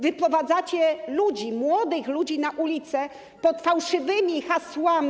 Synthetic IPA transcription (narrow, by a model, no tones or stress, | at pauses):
vɘpɾɔvad̪zat͡ɕɛlud͡ʑimwɔd̪ɘxlud͡ʑinaʔulʲit̪sɛ | pɔt̪fawʂɘvɘmʲixaswamʲ